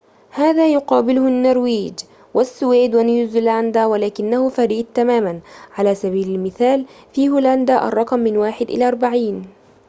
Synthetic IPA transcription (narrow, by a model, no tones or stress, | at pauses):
haːðaːjʊqɑːbɪlʊhnːɑɾˤwiːd͡ʒ | wasːʊweːd̪wanjuːzʊland̪aːwalaːkɪnːahʊfaɾiːd̪̚t̪amaːmanʕalaːsaβiːlalmɪθaːl | fiːhʊːland̪aːʔɑ̰rˤːɑqmːɪnwaːħɪd̪ʔɪ̰laːʔɑɾˤbaʕiːn